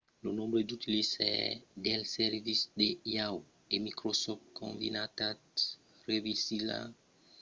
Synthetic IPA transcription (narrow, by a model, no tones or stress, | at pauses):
lonɔ̃mbɾəd̪ut̪ilisɛ̰dɛlsɛɾvisd̪ejaw | emikɾosɔftkʰɔ̰̃nd̪ḭnat̪at | revisila̰